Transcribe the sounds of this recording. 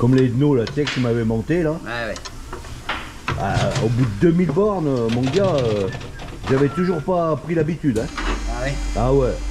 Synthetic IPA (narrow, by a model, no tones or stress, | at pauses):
kɔmlenolasɛkət̪ymavɛmɑ̃t̪elaɛwɛ | a̰obud̪əd̪ømilbɔʁnømɔ̃ɡaø | ʒavɛt̪uʒuʁpapχilabit̪yd̪ɛ̃wɛawɛ